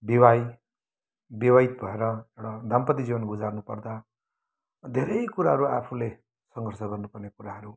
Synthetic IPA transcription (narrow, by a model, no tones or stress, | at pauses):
biwaj | biwait̪bʱʌeɾʌewɽad̪ʱampʌt̪id͡ziwʌnɡud͡zarnupʌrd̪a | d̪ʱeɾʌjkuɾaɦʌɾuapʰule | sʌŋɡʱʌrsʌɡʌrnupʌrnekuɾaɦʌɾu